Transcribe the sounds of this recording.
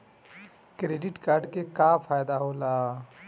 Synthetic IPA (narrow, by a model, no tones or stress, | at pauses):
kɾeːɖɪʈkaːɾɖkekafʰaːjd̪aɦoːlaː